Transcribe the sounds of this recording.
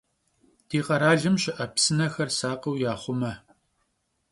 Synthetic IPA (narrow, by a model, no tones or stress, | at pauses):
d̥iːqɐɾaːɮɐmɕɪʔɐpsɨnɐxɐrsaːqɐwjaːχʷʊmɐ